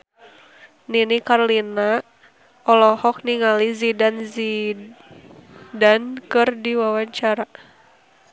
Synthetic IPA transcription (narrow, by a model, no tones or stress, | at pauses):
ninikaɾlina | ɔlɔhɔk̚niŋalizidanzi | dankɨrdiwawaɲt͡ʃaɾa